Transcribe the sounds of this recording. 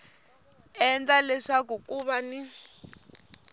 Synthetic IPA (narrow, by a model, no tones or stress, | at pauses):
ɛnd͡ɮalɛʂakukuβani